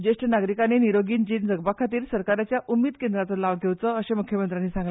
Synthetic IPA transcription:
d͡ʑeʂʈənaɡɾikaneniɾoɡiːnd͡ʑiːnd͡zəɡbakʰat̪iːɾsəɾkaɾat͡ɕjaʔumiːd̪kend̪ɾat̪əlaʋɡʱeʋt͡səəɕemukʰjəmənt̪ɾanːiːsãŋɡl

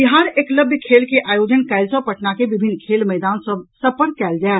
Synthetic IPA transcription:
bɪɦaːɾeːkləbʱjkʰeːlkeʔaːjoːd͡ʒənkaɪlsəpɐʈnakeʋɪbʱɪnːkʰeːlmɛːd̪aːnsəpəɾkːɛːld͡ʒaːɛ

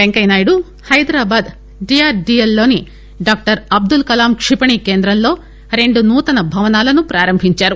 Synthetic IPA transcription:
beŋkɐjnaːjuɽu | hɐjd̪ɾaːbaːd̪ | ɖijaːɾɖiːelːo̞ːni | ɖaːk̚ʈɐɾɐb̚d̪ulkɐlaːmkʂipɐɳikeːnd̪ɾɐmlo̞ː | ɾe̞ɳɖunuːt̪ɐnɐbʱɐʋɐnaːlɐnupɾaːɾɐmbʱiɲt͡ʃaːɾu

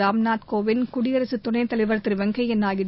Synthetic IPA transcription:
aːmnaːt̪koːʋɪnkʊɽɪjɐɾɐsɯt̪ːʊɳɐɪt̪ɐlɐɪʋɐɾɐt̪ːrɯʋɐŋɡɐɪɛnːaːjɪ

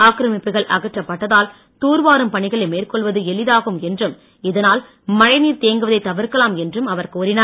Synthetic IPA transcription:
aːkɾɐmɪpːɯɣɐɭʔɐ̰ɣɐʈrɐpːɐʈːɐðaːl | t̪uːɾʋaːɾɯmpɐɳɪɣɐɭɐɪmeːrkɔɭʋɐðɯɛlɪðaːɣɯmɛndrɯm | ɪðɐnaːl | mɐɻɐɪniːɾt̪eːŋɡɯʋɐðɐɪt̪ːɐʋɪɾkɐlaːmɛndrɯmɐʋɐɾkuːɾɪnɐɾ

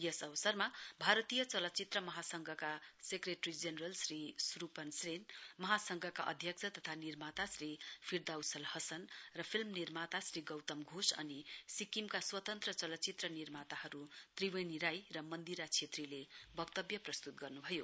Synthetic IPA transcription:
jʌsʌbʌsʌrmabʱaɾʌt̪ijʌt͡sʌlʌt͡sit̪rʌmʌɦasʌŋɡʱʌkasekreʈrid͡zenrʌlsrisrupʌnsrenmʌɦasʌŋɡʱʌkaʔʌ̰d̪ʱjʌksʰʌt̪ʌt̪ʰanirmat̪asripʰird̪awsʌlhʌsʌnrʌpʰilmnirmat̪asriɡʌwt̪ʌmɡʱosʌ̰nisikimkaswʌt̪ʌnt̪rʌt͡sʌlʌt͡sit̪rʌnirmat̪ahʌɾut̪riweniɾajrʌmʌnd̪iɾat͡sʰet̪rilebʌɡt̪ʌbjʌprʌst̪ut̪̚ɡʌrnubʱʌjo

